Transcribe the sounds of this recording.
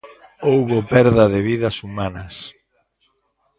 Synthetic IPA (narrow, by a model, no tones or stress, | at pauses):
owβopɛɾðɐðɪβiðɐsumanɐs